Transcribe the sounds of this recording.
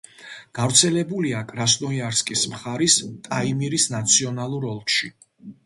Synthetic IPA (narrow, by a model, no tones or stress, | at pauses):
ɡ̥avɾt̪sʰɛlɛbuliakʼɾasnɔiaɾskʼismχaɾist̪ʼaimiɾisnat̪sʰiɔnalˠuɾɔlˠtʃi